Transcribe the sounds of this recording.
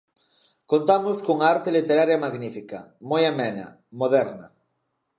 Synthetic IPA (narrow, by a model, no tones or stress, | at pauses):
kont̪amʊskoŋaaɾt̪elit̪eɾaɾjamaɣnifika̰mojamɛna̰ | moðɛɾna